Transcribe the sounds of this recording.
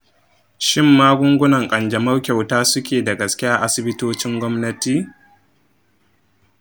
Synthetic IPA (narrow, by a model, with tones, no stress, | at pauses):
ʃɪ˦mːaː˦ɡʷʊ˦ŋɡʷʊ˦nɐ˨ŋkʼɐ˨nd͡ʒɐ˨mɐ˦rkʲa˨wtaː˦sʊ˦kʲʰeː˨da˨ɡɐ˨skʲɪ˦jaː˦ʔa˦sɪ˨bɪ˦toː˦t͡ʃɪ˦ŋɡʷɔ˦mnɐ˦tiː˦˨